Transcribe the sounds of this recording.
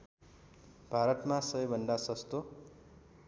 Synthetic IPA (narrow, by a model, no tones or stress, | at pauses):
bʱaɾʌt̪mãsʌʌjbʱʌnd̪asʌst̪o